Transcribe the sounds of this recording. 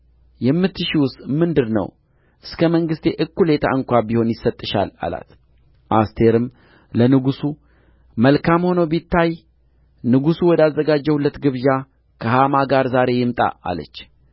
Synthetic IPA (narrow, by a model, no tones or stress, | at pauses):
jɛmːɨt̪ʰːɨʃiwʊst̪ʼmɨnd̪ɨɾnə̰w | ʔɨskʰəməŋɡɨst̪ʰe̞ʔɨkːule̞t̪ʰa̰ɨŋkʷabiho̞njɪsət̪ʼːɨʃa̰la̰la̰t̪ | ʔast̪ʰe̞ɾɨm | lənɨɡusu | məlkʰamho̞nəwbit̪ʰːaj | nɨɡusuwɔd̪azːəɡad͡ʒːɛhulːət̪ɡɨβja | kʰəhamaɡaɾzaɾe̞jɪmt̪ʼa̰a̰lə̰t͡ʃː